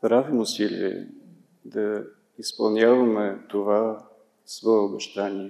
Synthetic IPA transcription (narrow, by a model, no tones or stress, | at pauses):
pɾavimʊsilʲḭɛ̰ | d̪ɐ | ispɐlˠnʲavɐmɛt̪ova | svɔɛobɛʃt̪anʲiɛ